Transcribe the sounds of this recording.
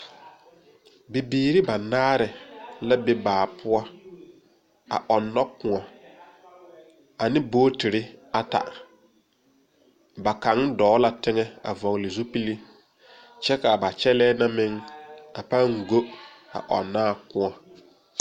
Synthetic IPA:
bi˨biː˨ɾɪ˦ba˨naː˦ɾɪ˨la˦bɪ˦baː˨pʰʊ˦ɔ˦ | a̰˨ʔɔ˨nːɔ˦kʊ̃˨ŋɔ˨ | a˨nɪ̃˦boː˦tɪ˨ɾɪ˦a˨ta̰˨ | ba˨ka˨˦ŋ˦dɔː˨˦la˨tɪ˦ŋɛ˦a̰˨vɔ˨ŋ˨lɪ˨zu˦pi˦li˦ | t͡ʃɛ˦ka˨ba˨t͡ʃɛ˦lɛː˦na˦mɪ˦ŋa˨pa˦ŋ˨ɡo˦ | a̰˨ʔɔ̰˨nːaː˦˨kʊ̃˦ɔ˨

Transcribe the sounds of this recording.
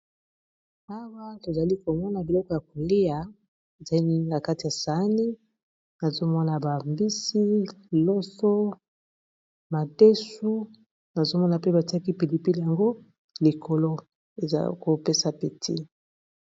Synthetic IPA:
a˦wa˦to˨za˨li˦ko˨mɔ˦na˨bi˨lɔ˦kɔ˨ja˨ko˨li˦a˨ | e˨za˨li˦ni˦na˨ka˦ti˨ja˨sa˨˦ni˦ | na˨zo˦mɔ˦na˨ba˨mbi˦si˦lɔ˦sɔ˦ | ma˨de˦su˦ | na˨zo˦mɔ˦na˨pe˦ba˨ti˦a˦ki˦pi˨li˨pi˦li˨ja˨ŋɡo˦ | li˨kʰo˨lo˦ | e˨za̰˨l̰ko˦pe˦sa˨pe˨tʰi˦

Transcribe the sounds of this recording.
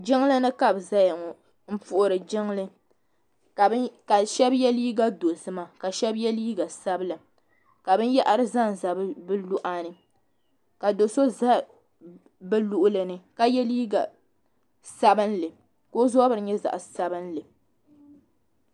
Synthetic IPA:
d͡ʒɪ˦ŋ˦lɨ˦nɨ˦ka˦bza˦ja˨ŋɔ˨ | m̩˦pʊ˨˦ʔʊ˨ɾɨ˨d͡ʒɪ˦ŋlɨ˦˨˦ | ka˨ʃɛ˦bjɛ˦liː˦ɡa˦do˨sɨ˦ma˨ka˨ʃɛ˦bjɛ˦liː˦ɡa˨sa˦bɨ˦lɨ˨ | ka˨bɨ˦n˦jɛ˦ʔa˦ɾɨ˦za˦n˨za˨bbɨ˦lu˦ʔa˦nɨ˨ | ka˨do˨so˦za˦ | bɨ˦lu˦ʔʊ˦lɨ˨nɨ˨ka˦jɛ˦liː˦ɡa̰˨ | sa˦bɨ˦n˦lɨ˨ | ko˦zɔ˦bɨ˨ɾɨ˨ɲɛ˦za̰˨ʔsa˦bɨ˦n˦lɨ˨

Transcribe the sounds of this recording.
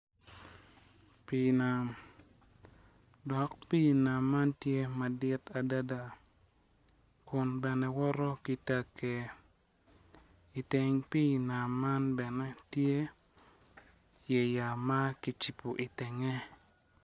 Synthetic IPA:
pi˨na˨m | dɔ˨kpi˦na˨mːa˦ntje˦ma˨dɪ˦ta˨da˦da˨ | kʊ˨nbɛ˨nɛ˨wɔ˦ɾɔ˦ki˨˦ta˦kɛ˨ | i˨tɛ˨ŋpi˦˨na˨mːa˦nbɛ˨nɛ˦tje˦ | je˨ja˨ma˦ki˨t͡ʃi˨po˨ʔi˨tɛ˨ŋɛ˦

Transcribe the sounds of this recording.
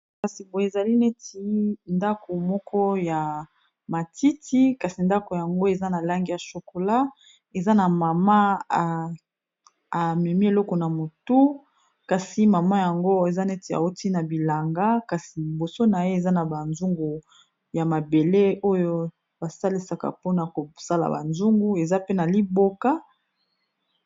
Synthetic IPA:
ka˨si˨bo˨e˨za˨li˦ne˦ti˨˦nda˦ko˨mɔ˦kʰɔ˦ja˨ | ma˨ti˦ti˦ka˨si˨nda˦ko˨ja˨ŋɡo˦e˨za˦na˨la˦ŋɡi˦ja˨ʃo˨ko˨la˦ | e˨za˦na˨ma˨ma˦a˨ | mɛ˨mi˦e˨lɔ˦kɔ˨na˨mo˨tu˦ | ka˨si˦ma˨ma˦ja˨ŋɡo˦e˨za˦nɛ˦te˨a̰˨wo˦ti˦na˨bi˨la˨ŋɡa˦ka˨si˨bo˨so˦na˨je˦e˨za˦na˨ba˨nzu˦ŋɡu˨ | ja˨ma˨be˨le˦o˦jo˦ | ba˨sa˦li˨sa˨ka̰˨po˦na˨ko˨sa˦la̰˨ba̰˨nzu˦ŋɡu˦e˨za˦pe˦na˨li˦bo˦ka˦

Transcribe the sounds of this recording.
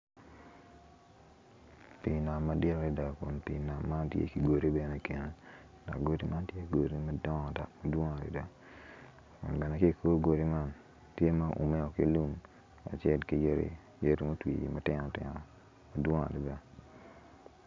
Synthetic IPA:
pi˨na˨mːa˨˦djɛ˦ɾɾi˦da˨kʊ̰˨npi˨na˨mːa˦ntjḛ˦ki˨ɡo˨ɾi˦bɛ˨ne˦ke˨ne˨ | na̰˨ɡo˦ti˦mʔa˦ntje˦ɡo˨ɾi˦ma˦dɔ˦ŋɔ˨da˨kma˨dwo˦ŋa˨ɾḭ˨da˦ | kʊ̰˨nɡɛ˨na˨ki˦˨kʰo˦ɡo˨ɾi˦ma˦n | tje˦ma˦ʔʊ̰˨me˦ɔ˨ki˦lu˦m | a̰˨t͡ʃɛ˦˨dki˨je˦ɾḭ˨˦ | jo˦ɾi˦mo˦twḭ˨ɡḭ˨ma˦tɪ˦nɔ˨tɪ̰˨nɔ˨ | ma˨dwɔ˦ŋa̰˨dɪ˨ba˦

